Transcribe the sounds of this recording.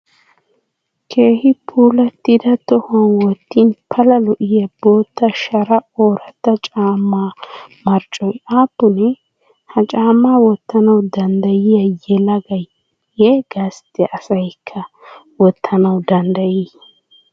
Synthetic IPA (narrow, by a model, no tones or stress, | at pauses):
kʰe̞ːhɪpʰuːlɐt̪ːɪd̪ɐt̪ɔhʊɐnwɔt̪ːinpʰɐlɐlɔʔɪjɐb̥oːt̪ːɐʃɐɾɐoːɾɐt̪ːɐt͡ʃʼaːmːaːmɐɾt͡ʃʼɔjʔaːpːʊnɛ | hɐt͡ʃʼaːmaːwɔt̪ːɐnɐwd̪ɐnd̪ɐjɪjɐjɛlɐɡɐj | heːɡaːst̪ːɛʔɐsɐjkʰːɐ | wɔt̪ʰːɐnɐwd̪ɐnd̪ɐjiː